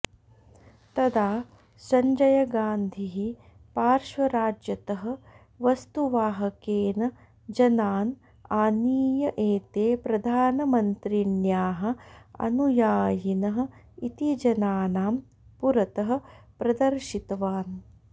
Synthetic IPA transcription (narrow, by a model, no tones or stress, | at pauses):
t̪ɐd̪aː | sɐɲd͡ʒɐjɐɡaːnd̪ʱiɦi | paːɾʃʋɐɾaːd͡ʒjɐt̪ɐɦɐ̆ | ʋɐst̪uʋaːɦɐkeːnɐ | d͡ʒɐnaːn | aːniːjɐʔeːt̪eːpɾɐd̪ʱaːnɐmɐnt̪ɾinjaːɦɐ̆ɐ̰nujaːjinɐɦɐ̆ | it̪id͡ʒɐnaːnaːm | puɾɐt̪ɐɦɐ̆pɾɐd̪ɐɾʃit̪ɐʋaːn